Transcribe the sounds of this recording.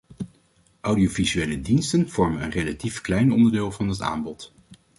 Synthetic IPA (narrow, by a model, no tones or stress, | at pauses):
ʔawdiovizyejlədinstənv̥ɔɹmənənrejlatifklɛjnɔ̰ndəɹdɪːlˠvɑndɑta̰ːmbɔt